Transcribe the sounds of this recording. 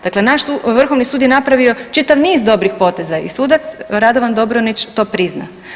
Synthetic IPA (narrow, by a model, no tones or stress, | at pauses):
d̪akle̞naʃʋr̩xoʋnisuːd̪jenapɾaʋio̞t͡ʃit̪aʋniːzd̪o̞bɾixpo̞ːt̪e̞zaḭsuːd̪at̪sɾad̪o̞ʋand̪o̞bɾonit͡ʃt̪o̞ːpɾizna̰